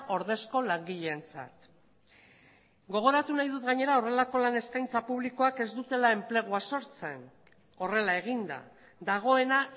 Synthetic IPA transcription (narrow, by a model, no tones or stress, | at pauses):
ʔo̞ɾð̞e̞sko̞laŋɡiʎeːnt͡sa̰t̪ | ɡo̞ɣ̞o̞ɾat̪unajðut̪ɡaɲe̞ɾao̞re̞lako̞lane̞skajnt͡sapuβ̞liko̞ake̞zd̪ut̪e̞lae̞mple̞ɣ̞uaso̞ɾt͡se̞n | o̞re̞lae̞ɣ̞ind̪a̰ | d̪aɣ̞o̞e̞na